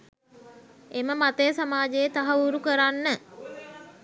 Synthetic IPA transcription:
eməmat̪əjəsamaːd͡ʒejət̪aɦauɾukəɾanːə

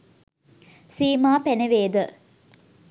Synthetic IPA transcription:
siːmaːpeneʋeːd̪ə

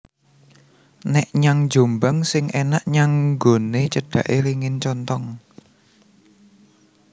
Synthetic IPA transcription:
nɛʔɲaŋ̥d͡ʒ̥o̤mbaŋsɪŋʔɛnaʔɲaŋɡonet͡ʃəɖ̥ä̤ʔeliŋɪnt͡ʃɔnt̪ɔŋ

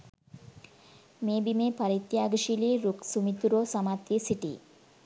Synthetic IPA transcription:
meːbimepɐɾit̪jaːɡʃiliɾuksumit̪uɾoːsɐmat̪jisiʈḭ

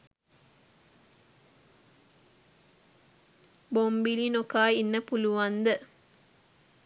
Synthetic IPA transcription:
bombilinokaːinːəpuluʋɐnd̪ə

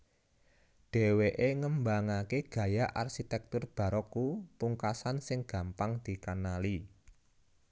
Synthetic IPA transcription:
ɖ̥e̤weʔeŋəmbaŋakeɡ̥ä̤jaʔarʃit̪ɛk̚t̪ʊrb̥ä̤ɾɔkupuŋkasansɪŋɡ̥ä̤mpaŋd̪̥i̤kanali

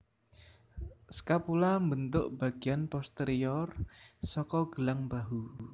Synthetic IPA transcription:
sə̥kapulambənt̪ʊʔb̥a̤ɡ̥ianpɔst̪eɾiɔrsɔkɔɡ̥əlaŋbaɦu

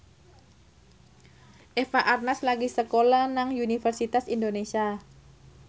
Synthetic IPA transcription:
ʔefaʔarnaslaɡisəkolanaŋunifərsit̪asindonesia

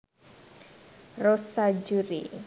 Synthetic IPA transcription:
rosad͡ʒuɾḭ

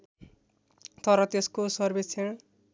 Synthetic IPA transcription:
t̪ʌɾʌt̪eskosʌrbet͡sʰẽ

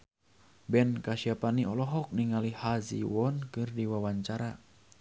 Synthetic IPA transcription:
bɛnkasiapaniɔlɔɦɔk̚niŋalihazḭwɔnkɨrdiwawaɲt͡ʃaɾa

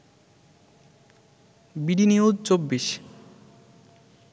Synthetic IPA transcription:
biɖiniudt͡ɕobːiʃ

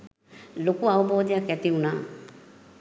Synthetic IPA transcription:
lokuawuboːd̪ijakɛt̪iunaː

